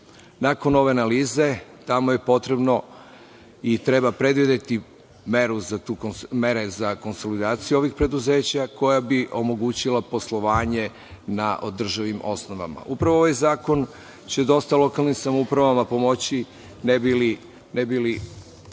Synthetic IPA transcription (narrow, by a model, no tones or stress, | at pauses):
nako̞no̞ʋe̞analiːze̞t̪amo̞je̞po̞t̪ɾe̞bno̞ | it̪ɾe̞bapɾe̞d̪ʋid̪et̪i | meɾuzat̪uːme̞ɾe̞zako̞nso̞lid̪aːt̪sijuo̞ʋixpɾe̞d̪uze̞ːt͡ɕako̞jabiʔo̞mo̞ɡuːt͡ɕilapo̞slˠo̞ʋaːɲe̞ | naʔod̪r̩ʒaʋimo̞sno̞ʋa̰ma̰ʔupɾaʋoo̞ʋajzaːko̞n | t͡ɕe̞d̪o̞st̪alˠo̞kalˠnimsamoupɾaʋamapo̞mo̞t͡ɕi | nebili | nebili